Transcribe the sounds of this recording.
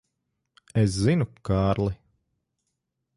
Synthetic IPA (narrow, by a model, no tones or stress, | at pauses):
es̬zinukaːɾlˠi